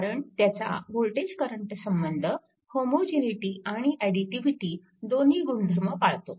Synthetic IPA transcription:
ɾəɳt̪jat͡sa̰ʋoɭʈed͡ʑkəɾəɳʈsəmbənd̪ʱə | homod͡ʑeniʈiːaɽ̃iʔaɽiʈiʋiʈiː | d̪oniːɡuɳd̪ʱɾməpaɭt̪o

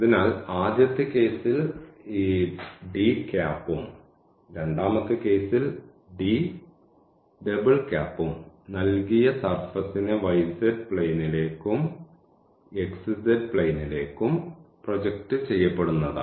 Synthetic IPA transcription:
iðinaːlaːd̪jɐt̪ːɨke̞ːsiliːɖikaːpːum | ɾe̞ɳɖaːmɐkːɨke̞ːsil | ɖi | ɖebɨɭkʲaːpːumnɐlkijɐsɐrfɐsinɨʋɐjsedpɭejnile̞ːkːum | eksɨsedpɭɐjnile̞ːkːumprod͡ʑɐk̚tɨt͡ɕe̞jːɐpːe̞ɽunːɐðɨ̰

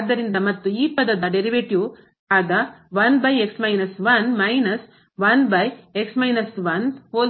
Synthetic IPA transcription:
d̪ːɐɾind̪ɐmɐt̪ːuiːpɐd̪ːɐd̪ɐɖeɾiʋeʈju | aːɡ̪ɐʋɐnbɐjeksmɐjnɐsʋɐnmɐjnɐs | ʋɐnbɐjeksmɐjnɐsʋɐnhoː

